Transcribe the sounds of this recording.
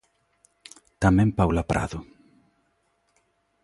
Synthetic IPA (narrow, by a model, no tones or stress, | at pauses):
t̪amɛ̃mpawlapɾʔa̰ðʊ